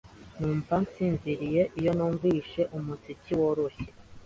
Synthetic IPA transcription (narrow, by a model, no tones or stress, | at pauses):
nuːmpansiːnziɾije̞ʔijo̞nuːɱviːʃe̞ʔumut͡siciwoɾoçe